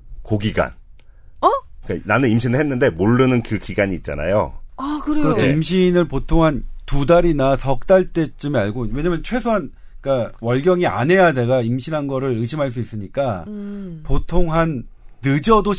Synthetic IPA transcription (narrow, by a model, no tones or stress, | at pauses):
koɡiɡa̰n | k͈ananɯnimɕʰinɯɭhenːɯnde̞moɭːɯnɯnkɯkiɡaɲiːt̚t͡ɕ͈a̰na̰jo̰kɯɾeɯɾʌeimɕ̬ʰinɯɭpotʰoŋɦantudaɾinasʰʌk̚t͈aɭt͈e̞t͡ɕ͈ɯmeaɭɡowe̞ɲamjʌnt͡ɕʰwe̞sʰoɦan | k͈awʌɭɡjʌŋia̰nɦe̞jade̞ɡaimɕʰinɦanɡʌɾɯɾɯɕʰimɦaɭs̬͈uis͈ɯɲik͈a | potʰoŋɦanːɯd͡ʑʌdo